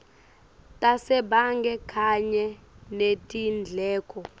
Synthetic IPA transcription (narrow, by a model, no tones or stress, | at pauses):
tʼasɛbaŋɡʱɛkʰaɲɛnetʼind͡ɮʱɛːkʰʼɔ